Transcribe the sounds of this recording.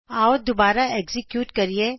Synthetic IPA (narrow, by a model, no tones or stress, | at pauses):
aːod̪obaːɾaeːkzɪkjuːʈkɐɾie